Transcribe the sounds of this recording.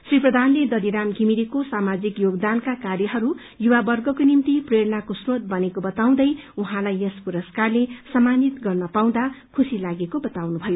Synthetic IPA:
sriprʌd̪ʱanled̪ʌliɾamɡimiɾekosamad͡zikjoɡd̪ankakarjʌɦʌɾu | juwabʌrɡʌkonimt̪ipreɾʌnakosrot̪̚bʌnekobʌt̪aw̃d̪ʌjuɦãlajespuɾʌskarlesʌmanit̪ɡʌrnʌpaw̃d̪akʰusilaɡekobʌt̪awnubʱʌjo

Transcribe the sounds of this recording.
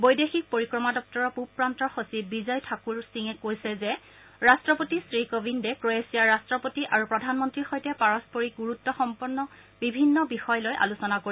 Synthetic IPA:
bojdexik̚poɹikɹɔmadɔk̚tɔɹɔpupɹantɔxosibizɔjtʰakuɹsiŋɛkojsɛzɛ | ɹastɹɔpotisɹikobʱindɛkɹoesijaɹastɹɔpotiʔaɹupɹɔdʱanmɔntɹixojtɛpaɹɔspoɹiɡuɹutːɔxɔmpɔɹnːɔ | bibʱinːɔbixɔjlojʔa̰lusɔnakoɹi

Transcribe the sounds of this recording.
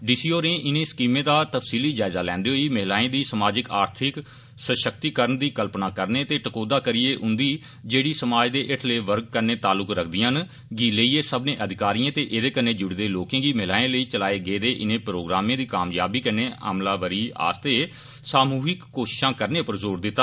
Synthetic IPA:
ɖiːsiːoːɾẽːʔɪnẽːskiːmẽːd̪aːt̪əfsiːliːd͡ʒaːɪzaːlɛ̃ːnd̪eːɦoiːməɦlaːẽːd̪iːsəmaːd͡ʒɪkaːɾt̪ʰɪk | səʃək̚t̪iːkəɾəɳd̪iːkəlpnaːkəɾneːt̪eːʈəkoːd̪aːkəɾieːʔʊ̃nd̪iː | d͡ʒeːɽiːsəmaːd͡ʒd̪eːʔɪʈʰleːʋəɾɡ̚kəɾneːt̪aːlːʊkɾəkʰd̪ɪjãːn | ɡiːləiːeːsəbnẽːʔəd̪ʱɪkaːɾijãːt̪eːʔeːd̪eːkəɾneːd͡ʒʊɽd̪eːloːkẽːɡiːmɪɦlaːẽːləiːt͡ʃəlaːeːɡeːd̪eːʔɪnẽːpɾoːɡɾaːmẽːd̪iːkaːmjaːbiːkəneːa̰ːmlaːʋəɾiːa̰ːst̪eː | saːmuːɦɪkːoːʃɪʃãːkəɾneːpəɾzoːɾd̪ɪt̪ːaː

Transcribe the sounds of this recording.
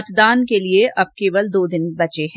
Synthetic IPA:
t̪d̪aːnkelieʔɐb̚keːʋəld̪oːd̪ɪnbɐt͡ʃeɦɛ̃

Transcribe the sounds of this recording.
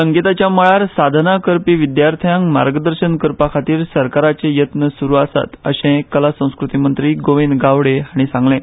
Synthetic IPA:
səŋɡit̪at͡ɕjaməɭaɾsad̪ʱnakəɾpiːʋid̪jaɾt̪ʰjãŋmaɾɡəd̪əɾɕənkəɾpakʰat̪iːɾsəɾkaɾat͡sejət̪nəsuɾuːasa̰t̪ə̰ɕẽkːəlasə̃w̃skɾut̪imənt̪ɾiːɡoʋind̪ɡaʋɽeaɽ̃isãŋɡlẽ

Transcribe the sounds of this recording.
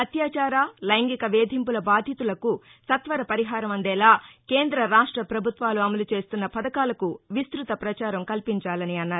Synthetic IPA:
ɐt̪jaːt͡ʃaːɾaːlɐjŋɡikɐʋeːd̪ʱimpulɐbaːd̪ʱjit̪ulɐku | sɐt̪ʋɐɾɐpɐɾiɦaːɾɐmɐnɖ̪ɛːlaːkeːnd̪ɾɐɾaːʂʈɾɐpɾɐbʱut̪ʋaːluɐmɐlut͡ʃe̞ːst̪unːɐpɐd̪ɐkaːlɐkuʋist̪ɾut̪ɐpɾɐt͡ʃaːɾɐmkɐlpiɲt͡ʃaːlɐniɐnːaːɾu

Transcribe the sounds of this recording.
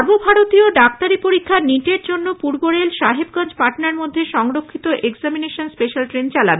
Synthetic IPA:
ɾbobʱaɾot̪ioɖak̚t̪aɾipoɾikʰːaɾniʈeɾd͡ʑonːopuɾboɾelʃaɦebɡãnd͡ʑpaɾʈnaɾmod̪ʱːeʃɔŋɾokʰːit̪oʔeɡzamineʃonspeʃalʈɾent͡ɕalabe

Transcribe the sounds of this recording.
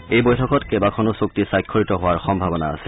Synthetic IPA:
ejbojtʰɔkɔtkebakʰɔnosok̚tisajkʰːɔɹitɔɦʊwaɹxɔmbʱabɔna̰ːsɛ

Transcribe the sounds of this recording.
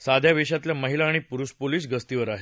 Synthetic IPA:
sad̪ʱjaʋeɕat̪ljaməɦilaːɽ̃ipuɾuɕpoliːs̬ɡəst̪iʋəɾaɦe

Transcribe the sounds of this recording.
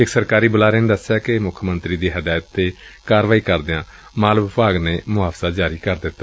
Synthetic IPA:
ɪksəɾkaːɾiːbʊlaːɾeːned̪əsːjaːkɪmʊkʰmənt̪ɾiːd̪iːɦəd̪aːjət̪ːeːkaːɾʋaːiːkəɾd̪ɪãː | maːlbpaːɡneːmʊaːpsaːd͡ʒaːɾiːkəɾd̪ɪt̪ːa

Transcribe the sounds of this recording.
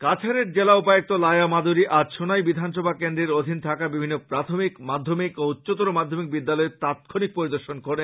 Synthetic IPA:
kat͡ɕʰaɾeɾd͡ʑelaupajok̚t̪olajamad̪uɾiʔaʃonajbid̪ʱanʃɔbʱakend̪ɾeɾod̪ʱint̪ʰakabibʱinːopɾat̪ʰomikmad̪ʱːomikout̪ːɕot̪oɾomad̪ʱːomik̚bid̪ːalɔet̪at̪̚kʰonik̚poɾid̪oɾʃonkoɾe

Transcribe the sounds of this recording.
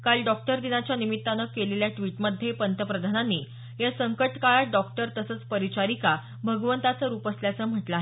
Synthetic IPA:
kalɖɔk̚ʈəɾd̪inat͡ɕjanimit̪ːanəkeleljaʈʋiːʈməd̪ʱːjepənt̪əpɾəd̪ʱananːiː | jasəŋkəʈkaɭaɖɔkʈəɾt̪əsəːt͡spəɾit͡ɕaɾika | bʱəɡʋənt̪at͡səɾuːpəsljat͡səːm̤əʈlaɦe

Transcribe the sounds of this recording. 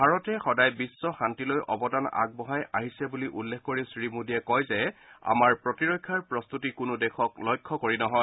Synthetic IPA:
bʱaɹɔtɛxɔdajbisːɔxantilojʔɔ̰bɔdana̰ɡ̚bɔɦaja̰ɦisɛbuliʔulːekʰkoɹisɹimudiɛkɔjzɛa̰maɹpɹɔtiɹɔjkʰːaɹpɹɔst̪utikʊnʊdɛxʰɔklɔjkʰːɔkoɹinɔɦɔj

